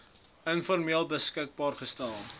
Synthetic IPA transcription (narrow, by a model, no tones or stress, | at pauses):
ənfɔrmiəlˠbəskək̚bɑːrχəstælˠ